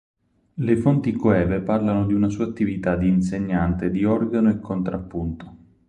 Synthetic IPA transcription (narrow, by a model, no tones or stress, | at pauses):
lefont̪ikoɛːveparlanod̪iunasuːat̪ːivit̪ad̪iːnseɲːant̪ed̪iɔrɡanoekʰːont̪ɾapːunt̪o̥